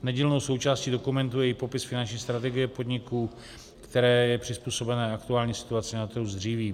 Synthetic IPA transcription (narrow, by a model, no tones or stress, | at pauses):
nɛɟɛlnowso̞wt͡ʃaːsciːdo̞kumɛnt̪ujɛɪpo̞pɪsfɪnant͡ʃɲiːst̪ɾat̪ɛɡɪjɛpo̞dɲɪkuː | kt̪ɛɾɛːjɛpr̥ɪspuːso̞bɛnɛːakt̪uaːlɲiːsɪ̥t̪uat͡sɪnat̪ɾɦuzd̪r̝iːviː